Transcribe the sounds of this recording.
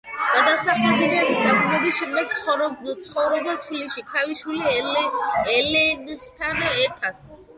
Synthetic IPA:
ɡ̥ad̪asaχɛbinad̪id̪abulɛbiʃɛmd̪ɛɡ̚t̪sχɔɾt̪sʰχɔvɾɔbat̪ʰwiliʃikʰaliʃwili | ɛlɛnst̪ʰanɛɾt̪ʰad̪̥̚

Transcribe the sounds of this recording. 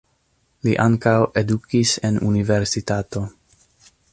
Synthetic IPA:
liʔaŋkawe̞dukisenṵnive̞ɾsitato̞

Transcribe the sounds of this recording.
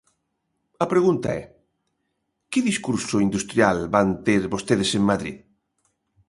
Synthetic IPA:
ɐpɾeɣunt̪a̰ɛ | kɪðiskuɾsoind̪ust̪ɾjalbant̪eɾβost̪eðeseŋmaðɾḭð

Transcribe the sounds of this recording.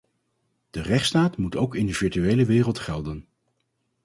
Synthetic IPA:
d̥ərɛχtstaːtmutowkɪndəv̥ɪɹtyejləʋɪːrəlˠtχɛlˠdən

